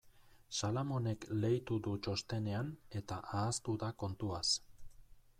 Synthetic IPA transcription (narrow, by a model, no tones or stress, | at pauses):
salamo̞ne̞kle̞jt̪ud̪ut͡ʃo̞st̪e̞ne̞ane̞t̪aʔaːst̪uðako̞nt̪uas